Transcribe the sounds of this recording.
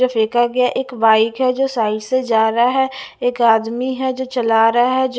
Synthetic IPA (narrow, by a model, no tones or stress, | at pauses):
əfʰɾeːkaɡɪjaʔeːkbaːɪkɦɛd͡ʒoːsaːɪʈsed͡ʒaːɾaɦɛ | eːkaːd̪miɦɛd͡ʒoːt͡ʃəlaːɾaɦɛd͡ʒ